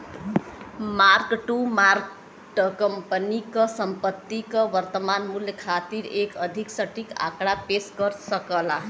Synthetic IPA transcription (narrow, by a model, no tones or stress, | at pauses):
markʈumark | ʈkʌmpənikʌsʌmpʌt̪ːikʌbʌɾt̪ʌmanmuljʌkʰat̪iɾekʌd̪ʱiksʌʈika̰kɽapesɡʌɾsʌkʌla